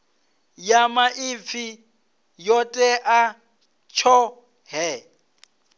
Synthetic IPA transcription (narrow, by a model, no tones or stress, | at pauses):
jamaʔip̪fʰi | jɔtʼɛʔa | t͡ʃʰɔ | ɦɛ